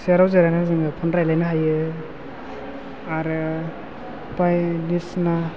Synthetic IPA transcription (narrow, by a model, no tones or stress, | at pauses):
seɾawzeɾajnazɯŋɯpʰɔnɾajlajnaɦajɯ | aɾɯ | pajnisna